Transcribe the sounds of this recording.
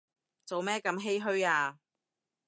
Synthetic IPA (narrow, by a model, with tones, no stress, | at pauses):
t͡so˨wmɛː˥kɐ˧mɦe˥jɦɵ˥ɥaː˧